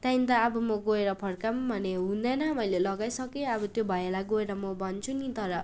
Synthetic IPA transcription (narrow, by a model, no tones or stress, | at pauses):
t̪ãĩnt̪aːbʌmʌɡoeɾʌpʰʌɽkambʱʌneɦũnd̪ʌnʌmʌjlelʌɡajsʌkeʌbʌt̪jobʱʌjelaɡoeɾʌmʌbʌnt͡sʰunit̪ʌɾʌ